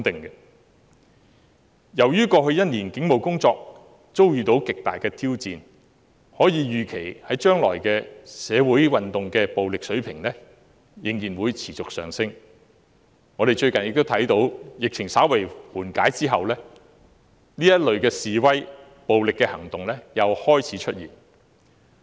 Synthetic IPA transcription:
t̪ɪ˨ŋkɛ˧ | jɐ˨˩wjyː˥kɔː˧ɦɵ˧ɥjɐ˥t̚niː˨˩nkɪ˨˥ŋmo˨wkʊ˥ŋt͡sɔː˧k̚ | t͡so˥wjyː˨t̪o˨˥wkɪ˨k̚t̪aː˨jkɛː˧t̪ʰiː˥wt͡siː˨˧n | hɔː˨˥jiː˨˧jyː˨˩kʰe˨˩jhɐ˨˥jt͡ʃœː˥ŋlɔ̰ː˨˩jkɛː˧sɛː˨˧wuː˨˥jwɐ˨nt̪ʊ˨ŋkɛː˧po˨wlɪ˨k̚sɵ˨˥ɥpʰɪ˨˩ŋlɛː˥ | jɪ˨˩ŋjiː˨˩nwuː˨˧jt͡sʰiː˨˩t͡sʊ˨k̚sœ̰ː˨˩ŋsɪ˥ŋ | ŋɔː˨˧ɾe˨˩jt͡ʃɵ˧ɥkɐ˨njɪ˨k̚t̪o˥t̪ʰɐ˨˥jt̪o˨˥wjɪ˨k̚t͡sʰɪ˨˩ŋsaː˨˥wɐ˨˩jwuː˨˩nkaː˨˥jt͡siː˥ɦɐ˨wlɛː˥ | niː˥jɐ˥t̚lɵ˨˧ɥkɛː˧siː˨wɐ˥j | po˨wlɪ˨kːɛ˧hɐ˨˩ŋt̪ʊ˨ŋlɛː˥jɐ˨˧whɔː˥jt͡sʰiː˨˥t͡ʃʰɵ˥t̚jiː˨˩n

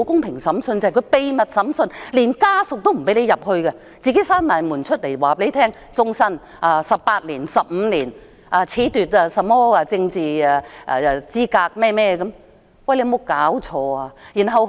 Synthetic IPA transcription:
wkʊ˥ŋpʰɪ˨˩ŋsɐ˨˥msɵ˧ntt͡sa˨kʰɵ˧˥pe˨˧jmɐ˨t̚sɐ˨˥msɵ˧nliː˨˩nkaː˥sʊ˨k̚t̪o˥wm̩˨˩pe˨˥jle˨˧jɐ˨p̚hɵ˧ɥkɛ˧ | t͡siː˨ke˨˥jsaː˥nmaː˨˩nmuː˨˩nt͡ʃʰɵ˥t̚le˨˩jwaː˨˩pe˨˧˥jt̪ʰɛː˥ŋ | t͡sʊ˥ŋsɐ˥n | ʔaː˧sɐ˨p̚pːaː˧t̚liː˨˩nsɐ˨p̚m̩˨˧liː˨˩n | ʔaː˨˧t͡sʰiː˨˥t̪yː˨t̚aː˧sɐ˨mɔː˥aː˧t͡sɪ˧ŋt͡siː˨aː˧ʔa̰˧˨˧t͡siː˥kaː˧k̚mɛː˥mɛː˥kɐ˨˥m | wɐ˨˩jle˧mo˨˧wkaː˨˥wt͡ʃʰɔː˧aː˧jiː˨˩nɦɐ˨˧w

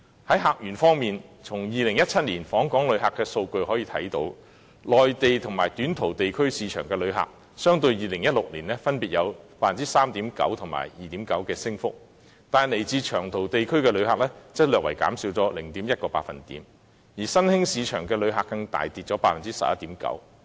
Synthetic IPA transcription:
hɐ˨˥jɦaː˨˧k̚jyː˨˩nfɔː˥ŋmiː˨nt͡sʰʊ˨˩ŋjiː˨lɪ˨˩ŋjɐ˥t̚t͡sʰɐ˥t̚liː˨˩nfɔː˨˥ŋkɔː˨˥ŋlɵ˨˧ɥɦaː˨kːɛː˧so˧wkɵ˧ɥhɔː˨˥jiː˧t̪ʰɐ̰˨˥jt̪o̰˨˥w | lɔː˨jt̪e˨jt̪ʰʊ˨˩ŋmaː˨˩jt̪yː˨˥nt̪ʰo˨˩wt̪e˨jkʰɵ˥ɥsiː˨˧t͡ʃʰœː˨˩ŋkɛː˧lɵ˨˧ɥɦa̰ː˨k̚ | sœː˥ŋt̪ɵ˧ɥjiː˨lɪ˨˩ŋjɐ˥t̚lʊ˨k̚liː˨˩nlɛː˥fɐ˥npiː˨t̚jɐ˨˧wpaː˧t̚fɐ˨nt͡siː˥saː˥mt̪iː˨˥mkɐ̰˨˥wt̪ʰʊ˨˩ŋma̰ː˨˩jjiː˨t̪iː˨˥mkɐ˨˥wkɛː˧sɪ˥ŋfʊ˥k̚ | t̪aː˨n˨le˨˩jt͡siː˧t͡ʃʰœː˨˩ŋt̪ʰo˨˩wt̪e˨jkʰɵ˥ɥkɛː˧lɵ˨˧˥ɥhaː˨k̚lɛː˥t͡sɐ˥t̚lœː˨k̚wɐ̰˨˩jka̰ː˨˥msiː˧wt͡sɔː˨˥lɪ˨˩ŋt̪iː˨˥mjɐ˥t̚kɔː˧paː˧t̚fɐ˨nt̪ḭː˨˥m | jiː˨˩sɐ˥nhɪ˥ŋsiː˨˧t͡ʃʰœː˨˩ŋkɛː˧lɵ˨˧ɥɦaː˨kːɐ˧ŋt̪a̰ː˨˩jt̪iː˨t̚t͡sɔː˨˥paː˧t̚fɐ˨nt͡siː˥sɐ̰˨p̚jɐ˥t̪iː˨˥mkɐ̰˨˥w

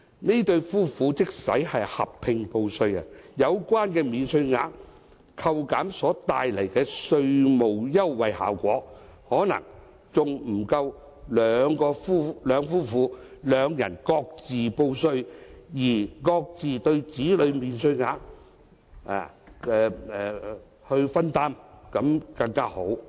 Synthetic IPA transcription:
neː˥t̪ɵ˧ɥfuː˥fuː˨˥t͡sɪ˥k̚sɐ̰˨˥jhɐ˨jhɐ̰˨pʰːɪ˧ŋpo˧wsɵ˧ɥɐ̰˨jɐ˨˧wkʷaː˥nkɛː˧miː˨nsɵ˧ɥŋaː˨˧˥k̚ | kʰɐ˧wkaː˨˥msɔː˨˥t̪aː˨jlɐ˨˩jkɛː˧sɵ˧ɥmo˨wjɐ˥wːɐ˨jha̰ː˨˩wkʷɔː˨˥hɔː˨˥nɐ̰˨˩ŋ | t͡sʊ˨ŋm̩˨˩kɐ˧w | lœː˨˧ŋkɔː˧fuː˥lœː˨˧ŋfuː˥fuː˨˧lœː˨˧ŋjɐ̰˨˩nkɔː˧k̚t͡siː˨po˧wsɵ˧ɥjiː˨˩kɔː˧k̚t͡siː˨t̪ɵ˧ɥt͡siː˨˥lɵ˨˧ɥmiː˨˧nsɵ˧ɥŋaː˨˧k̚ | ʔa̰ː˨ | ɛː˨˧ɛ˨ | hɵ˧ɥfɐ˥nt̪aː˥mkɐ˨˥mkɐ˧ŋkaː˥ho˨˥w

